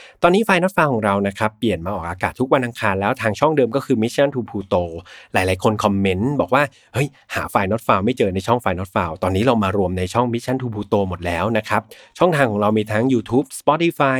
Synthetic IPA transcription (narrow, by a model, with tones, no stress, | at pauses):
t̪ɔː˧nːiː˦˥faː˧jno˦˥t̪̚faː˧wkʰɔː˩˦ŋɾa˧wna˦˥kʰa˦˥pːli˨˩ənmaː˧ʔɔː˨˩k̚ʔaː˧kaː˨˩t̪ʰːu˦˥k̚wa˧nʔa˧ŋkʰaː˧nlɛː˦˥wt̪ʰaː˧ŋt͡ɕʰɔ˥˩ŋdɤː˧mkɔː˥˩kʰɯː˧mi˦˥t͡ɕʰa˦˥nt̪ʰuː˧pʰuː˧t̪oː˧laː˩˦jlaː˨˦jkʰo˧nkʰɔ˧mːe˦˥nbɔː˨˩k̚waː˥˩ | hɤ˦˥˩j | haː˩˦faː˧jno˦˥t̪̚faː˧wma˥˩jt͡ɕɤː˧na˧jt͡ɕʰɔ˥˩ŋfaː˧jno˦˥t̪̚faː˧wt̪ɔː˧nːiː˦˥ɾa˧wmaː˧ɾu˧əmna˧jt͡ɕʰɔ˥˩ŋmi˦˥t͡ɕʰa˦˥nt̪ʰuː˧pʰuː˧t̪oː˧mo˨˩t̪̚lɛː˦˥wna˦˥kʰa˦˥p̚t͡ɕʰɔ˥˩ŋt̪ʰaː˧ŋkʰɔː˩˦ɾa˧wmiː˧t̪ʰa˦˥ŋjuː˧t̪ʰuː˦˥p̚spɔ˦˥t̪i˧faː˧j